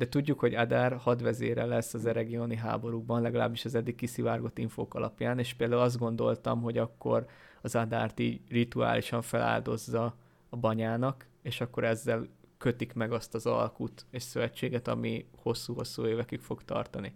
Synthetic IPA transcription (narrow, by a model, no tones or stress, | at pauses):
d̪ɛt̪uɟːukho̞ɟad̪aːrhɒd̪ʋɛzḛːɾɛlɛsːɒzɛɾɛɡioːniɦa̰ːbo̞ɾuɡ̚bɒnlɛɡɒla̰ːbːiʃɒzɛd̪ːik̚kːisivaːrɡo̞t̪ːiɱfo̰ːkɒlɒpjaːneːʃpeːld̪aːulɒzd̪̚ɡo̞nd̪o̞lt̪ɒ̰mɦo̞ɟɒkːo̞r | ɒzɒd̪a̰ːrt̪iːɟrit̪ua̰ːlʔiʃɒɱfɛlʔa̰ːld̪o̞zːɒː | bɒɲaːnɒk | eːʃɒkːo̞ɾɛzːɛlkø̞t̪ikmɛɡɒst̪ɒzɒ̰lkut̪eːʃsøvɛt͡ʃːeːɡɛt̪ɒ̰miho̞sːuːɦo̞sːuːeːvɛkykfo̞ɡt̪ɒ̰rt̪ɒni